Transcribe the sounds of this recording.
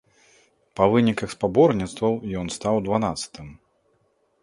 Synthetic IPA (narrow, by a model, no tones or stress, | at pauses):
pɐvɨnʲikɐxspabɔrnʲit̪st̪vɐwjɔnst̪awd̪vanat̪sɐ̥t̪ʰɨm